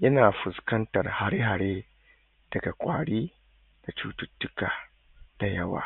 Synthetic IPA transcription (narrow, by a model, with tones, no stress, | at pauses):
jɐ˦naː˨ɸʊ˨skɐ˦ntɐ˨rha˨ɾe˦ɦa˨ɾeː˦ | d̥ɐ˨ɡa˨kʷʼaː˨ɽiː˦ | da˨t͡ʃuː˦tʊ˦tːʊ˦kaː˨ | d̥a˨jɐ˦wa̰ː˨